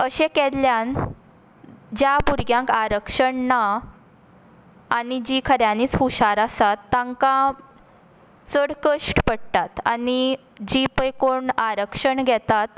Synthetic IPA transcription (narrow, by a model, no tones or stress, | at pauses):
əɕekɛlljan | d͡ʑjabuɾɡjãŋkaɾəkʂəɳna | nid͡ʑikʰəɾjaniːt͡suɕaɾasat̪ːãŋkã | t͡səɽkəʂʈpəɽt̪at̪a̰ni | d͡ʑipəjkoɳaɾəkʂəɳɡʱɛt̪at̪